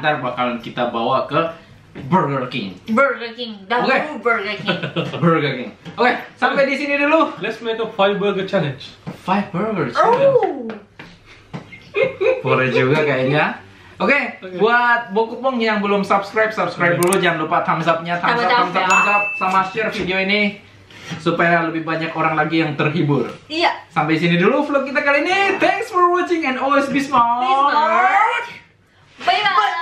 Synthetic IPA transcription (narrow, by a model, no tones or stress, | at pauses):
nt̪arbakalankit̪abawakə | bərɡərkɪŋbəɡəkɪŋdokebəɡəbərɡərkɪŋokesampajdisinidilolɛtsmekəfajbəɡət͡ʃɛlɛ̃nd͡ʒfajfbəɾɡərs | poɾɛd͡ʒuɡakaiɲa | okebuat̪̚bokupʊŋjaŋbəlʊmsabskɾajp̚sapskɾajp̚dulud͡ʒanlupat̪ʰamsap̚ɲat̪ʰamaamsaamsap̚samaast͡ʃərfideoini | supajaləbɪhbaɲakoɾaŋlaɡijaŋt̪ərɦibʊrasampajisiniduluflokːit̪akalinit̪ʰɛŋksfɔrwɔt͡ʃɪŋɛ̃ndɔlwesbisma